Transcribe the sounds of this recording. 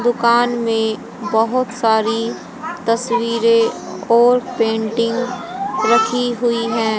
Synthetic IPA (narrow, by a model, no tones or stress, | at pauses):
d̪ʊkaːnmẽ | bɐɦʊt̪saːɾi | t̪ɐswiːɾe | ɔːɾpẽːɳʈɪ̃ŋɡɾɐkʰiɦʊiɦɛ̃ː